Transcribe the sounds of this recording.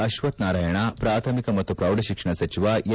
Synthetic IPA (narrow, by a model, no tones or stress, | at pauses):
ɐʃʋɐt̪naːɾaːjɐɳɐpɾaːt̪ʰɐmikɐmɐt̪ːupɾɐwɖɐʃikʂɐɳɐsɐt͡ʃiʋaj